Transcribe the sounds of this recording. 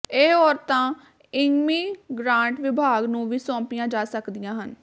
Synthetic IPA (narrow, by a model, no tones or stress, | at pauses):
eːɔːɾt̪ãː | ɪŋɡmiːɡɾãːɳʈʋɪbʱaːɡnũːʋiːsɔ̃ːpɪjãːd͡ʒaːsəkd̪ijãːɦən